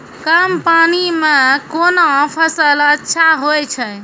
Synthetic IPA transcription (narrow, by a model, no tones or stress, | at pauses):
kəmpanimẽkonopʰəsələtːʃʰaɦojt͡ʃʰɛ